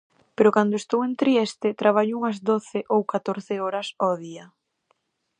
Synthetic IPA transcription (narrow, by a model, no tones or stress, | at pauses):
peɾokand̪oest̪owent̪ɾiest̪ɪt̪ɾaβ̞aʎouŋɐzd̪oθɪʔowkat̪oɾθɪoɾɐsɔðiɐ